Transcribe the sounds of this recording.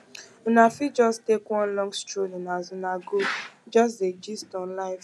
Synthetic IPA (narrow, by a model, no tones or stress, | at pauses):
nafid͡ʒɔstekwɔ̃nlɔ̃ŋstɾolinazʊnaɡod͡ʒɔs̬zed͡ʒistɔnlaɪ̃nf